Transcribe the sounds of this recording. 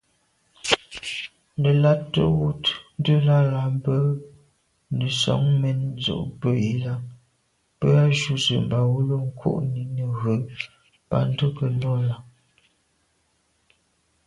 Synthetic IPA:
nə˨la˦tːə̰˦wu˦tn˦də˦la˦la˨˦m˦bə˦ | nə˨sɔ̰˨˦ŋmɛ˦nzo̰˨ʔbə˦ji˨˦la˦ | pə˦a˦ʒu˦zə̰˨m˨ba˨wo˦lo˦ŋ̩˦kʰwo̰˦˨ʔni˨˦nə˨ɣə˨˦ | pa̰˦n̩˦tə˦kə˨lɔ˦la˦

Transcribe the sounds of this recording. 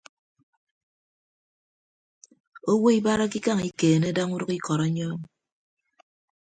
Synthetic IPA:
o˦wo˦i˦ba˦ɾa˦ki˦ka˦˨ŋi˦keː˨ne˦da˦ŋu˦dʊ˦ki˦kɔ˨ɾɔ˦ɲɔ˦m

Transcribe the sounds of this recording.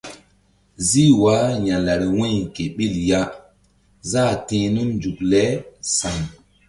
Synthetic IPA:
zi˦wa˨˦ɲã˨la˨ɾi˨wĩ˦jke˨ɓi˦˨lja˦ | zaː˦˨tĩ˨nu˦nd͡ʒu˨klɛ˦sa˨n

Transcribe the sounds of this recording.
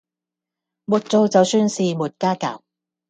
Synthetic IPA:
muː˨t̚t͡so˧wt͡sɐ˨˧wsyː˧nsiː˨muː˨˩t̚kaː˥ka̰ː˨˩w

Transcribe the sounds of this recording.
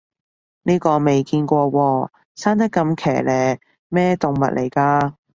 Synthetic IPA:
niː˥kɔː˧me˨jkiː˧nkʷɔː˧wɔː˧ | saː˥nt̪̬ɐ˥kːɐ˧mkʰɛ̰ː˨˩lɛː˨ | mɛː˥t̪ʊ˨ŋmɐ̰˨t̚lʔḛ˨˩jkaː˧

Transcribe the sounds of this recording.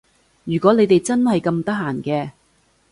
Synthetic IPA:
jyː˨˩kɔː˨˥ne˨˧jt̪e˨jt͡sɐ˥nhɐ˨jkɐ˧mt̪ɐ˥k̚ɦaː˨˩nkɛː˧

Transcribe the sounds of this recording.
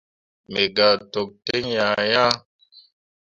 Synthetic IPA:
me˨ɡa˨to˨k̚te˦ŋja˨ja˦

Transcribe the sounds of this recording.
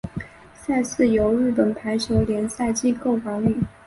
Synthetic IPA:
sa˥˧ɪsɹ̩˥˩jo˧˥ʊɻɻ̩˥˩p̬ə˨˩npʰa˧˥ɪt͡ɕʰjo˧˥ʊljɛ˧˥nsa˥˧ɪt͡ɕi˥˧ko˥˩ʊfɑ˧˥ŋy˨˩

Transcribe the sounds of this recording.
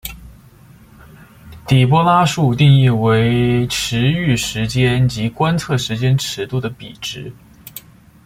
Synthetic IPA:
t̪i˨˩p̬wɔ˥la˥ʂu˥˧t̪i˥˧ŋi˥˩we˧˥ɪʈ͡ʂʰɻ̩˧˥y˥˩ʂɻ̩˧˥t͡ɕjɛ˥nt͡ɕi˧˥kwa˥nt͡sʰɤ˥˩ʂɻ̩˧˥t͡ɕjɛ˥nʈ͡ʂʰɻ̩˧˥t̪u˥˩d̪ə˩pḭ˨˩ʈ͡ʂɻ̩˧˥

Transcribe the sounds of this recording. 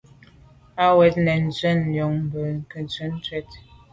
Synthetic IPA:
a˦wɛ˨˦t̚nɛ˨n̩˨t͡sɛ˦n̩˦˨ljɔ˨ŋm̩˨bə˨ŋ̩˨kə˨t͡sə˦n˦twɛ˦t̚

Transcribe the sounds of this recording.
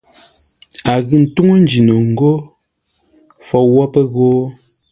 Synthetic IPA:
a˨ɣɯ˨n̩˨tu˦ŋo˦n̩˨˦d͡ʒi˨no˨ŋ̩˨ɡo˦ | fɔ˨wɔ˦pə˦ɣoː˦

